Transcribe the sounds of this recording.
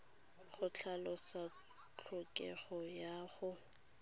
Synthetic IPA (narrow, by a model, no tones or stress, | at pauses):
χʊt͡ɬʰalʊsa | t͡ɬʰʊkʼɛ̰ɣɔjaːχʊ